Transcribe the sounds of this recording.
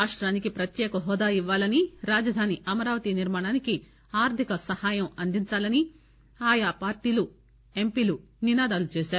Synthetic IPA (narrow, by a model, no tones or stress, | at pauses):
aːʂʈɾaːnikipɾɐt̪jɛːkɐɦɔːd̪aːiʋːaːlɐniɾaːd͡ʒɐd̪ʱaːniʔɐmɐɾaːʋɐt̪iniɾmaːɳaːniki | aːɾt̪ʰikɐsɐhaːjɐmɐnd̪iɲt͡ʃaːlɐni | aːjaːpaːɾʈiːlu | e̞mpiːlu | ninaːd̪aːlut͡ʃɛːʃaːɾu